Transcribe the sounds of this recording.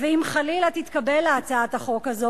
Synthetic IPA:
veimχalilat̪it̪kabelaːt͡saat̪aχo̞khazo

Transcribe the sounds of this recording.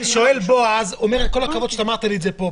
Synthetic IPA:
ʃo̞elbo̞azomeʁet̪ko̞lakavotʃeamaʁt̪aliːzepo̞

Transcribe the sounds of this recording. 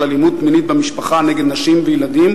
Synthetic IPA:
alimud̪̚minit̪bemiʃpaχaneɡed̪naʃimvejelad̪im

